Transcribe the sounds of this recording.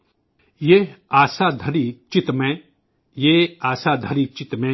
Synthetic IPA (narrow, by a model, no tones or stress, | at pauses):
jeːaːsaːd̪ʱɐɾit͡ʃɪt̪mẽ | jeːaːsaːd̪ʱɐɾit͡ʃɪt̪mẽ